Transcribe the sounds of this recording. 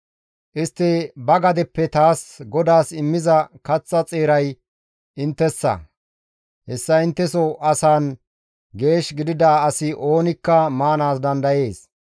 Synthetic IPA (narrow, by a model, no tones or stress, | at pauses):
ʔɪst̪ːɛbɐɡɐd̪ɛpːɛt̪aːsɡɔd̪aːsɪmːɪzɐkɐt͡sːɐt͡sʼeːɾɐj | ɪnt̪ːɛsːɐ̰ | hɛsːɐɪnt̪ːɛsɔʔɐsaːn | ɡe̞ːʃɡɪd̪ɪd̪aːɐsɪʔo̞ːnɪkːɐmaːnaːsd̪ɐnd̪ɐje̞ːs